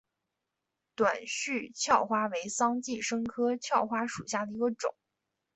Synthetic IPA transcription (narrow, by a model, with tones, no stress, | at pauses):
t̪wa˨˩nɕy˥˧t͡ɕʰjɑ˥˩ʊxwa˥we˧˥ɪsɑ˥ŋt͡ɕi˥˩ʂɤ˥ŋkʰɤ˥t͡ɕʰjɑ˥˩ʊxwa˥ʂṵ˨˩ɕja˥˩d̪ə˩i˧˥ɡə˧ʈ͡ʂʊ̰˨˩˦ŋ